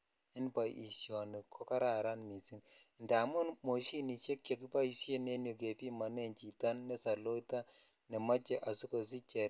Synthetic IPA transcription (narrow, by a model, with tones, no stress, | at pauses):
i˦npa˨i˨sjɔ˨ni˨kʰo˦ka˦ɾa˨ɾa˦nmi˨si˦ŋ˨ | nda˨mʊ˦nmo˨ʃi˦ni˨ʃe˦kt͡ʃɔ˨ki˦pa˦i˦sje˦ne˦njo˨k̬e˨pi˦ma˨nɛ˦nt͡ʃi˨ta˦nːe˦sa˨lo˦ta˦ | nɛ˨ma˦t͡ʃɛ˨ʔa˨si˦ko˨s̬i˦t͡ʃɛ˨